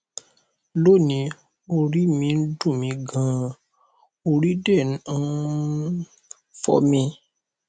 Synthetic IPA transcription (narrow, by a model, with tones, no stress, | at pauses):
lo˦˨nĩ˧˦ | o˧ɾi˦mĩ˧n̩˦dũ˦˨mĩ˧ɡã˨˦ | o˧ɾi˦dɛ˦˨ñ̩˨˦ | fɔ̰˦mĩ˧